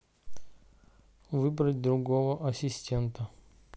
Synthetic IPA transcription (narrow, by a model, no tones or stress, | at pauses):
vɨbɾətʲd̪ɾʊɡovəʔɐsʲɪsʲtʲent̪ə